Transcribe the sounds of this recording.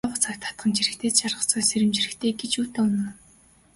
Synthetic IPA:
aʁə̆t͡sʰakt̪ʰḁt̪̚ɢə̆nt͡ɕʰiɾɘ̆kt̪ʰeːt̪ʃarʁə̆t͡sɔːseɾʲɪ̆mt͡ɕirɘ̆kt̪ʰeːɡet͡ɕuːt̪an̆ː

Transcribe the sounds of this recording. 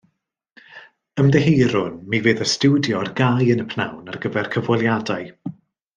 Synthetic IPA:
əmdɛɦeɾʊnmivɨːðəstudjɔrɡajənəpʰna̰wnarɡəvɛrkʰəvwɔlˠjadaɨ

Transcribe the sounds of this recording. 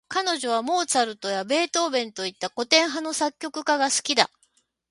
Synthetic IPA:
kano̞ʑo̞β̞amo̞ːt͡saɾɯ̟t̪o̞jabe̞ːt̪o̞ːbẽ̞nt̪o̞it̪ːako̞t̪ẽ̞ɰ̃ɦano̞sakʲːo̞kɯ̟kaɡasɨ̥kʲid̪a̰

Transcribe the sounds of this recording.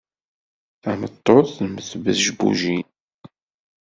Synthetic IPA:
æmət̪ˤːoθməθvəðʒbṵʒi

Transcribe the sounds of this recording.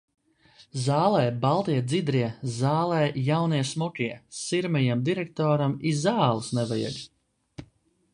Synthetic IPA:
zaːlˠɛːbalˠt̪iɛd̪zid̪ɾiɛzaːlˠɛːjawniɛsmukʲiɛsiɾmɛjamd̪iɾɛk̚t̪ɔːɾamizaːlˠusnɛvaja̰ɡ

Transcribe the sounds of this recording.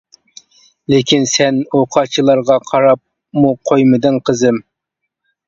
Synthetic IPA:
lekʲinsɛnoqʰɑt͡ʃʰilˠɑɾʁɑqʰɑɾɑp̚ | muqʰojmɨd̪ɨnqʰəzɨm

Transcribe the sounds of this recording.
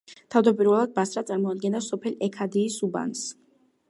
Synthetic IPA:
t̪ʰavd̪ɔpʼiɾvɛlˠad̪̚basɾat̪sʼaɾmɔad̪̚ɡɛnd̪asɔpʰɛlɛkʰad̪iːsuba̰ns

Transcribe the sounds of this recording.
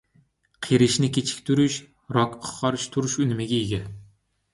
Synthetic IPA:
qʰeɾɪʃnɪkʲet͡ʃʰɪ̥kʲt̪ʰʊɾɪʃ | ɾɒkʰqʰɒɾɪʃt̪ʰʊɾɪʃʊnɪmɪɡʲaeɡʲa

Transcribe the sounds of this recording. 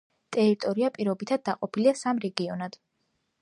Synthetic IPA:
t̪ʼɛɾit̪ʼɔɾiapʼiɾɔbit̪ʰad̪̚ːaqʼɔpʰiliasamɾɛɡiɔnad̪̥

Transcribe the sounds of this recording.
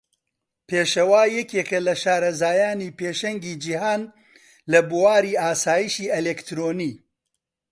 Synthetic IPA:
pʰeːʃɐwaːjɛkeːkɐlɐʃaːɾɐzaːjaːniːpeːʃɐŋɡiːd͡ʒihaːn | lɐbuwaːɾiːaːsaːjiʃiːʔelekt̪ɾoːniː

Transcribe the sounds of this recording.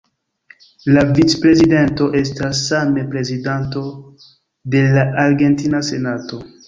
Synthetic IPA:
lavit͡spɾe̞zide̞nto̞ʔe̞stasːamepɾe̞zidanto̞ | de̞laʔaɾɡe̞ntinase̞nato̞

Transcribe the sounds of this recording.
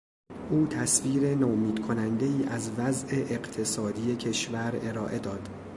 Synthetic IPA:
ʔuːt̪ʰæsviːɾe̞nomiːd̪̥kʰonænd̪e̞iːʔæzvæzʔe̞ʔeɢt̪ʰe̞sɒːd̪ije̞cʰe̞ʃvæɾe̞ɾɒːʔe̞d̪ɒːd̪̥

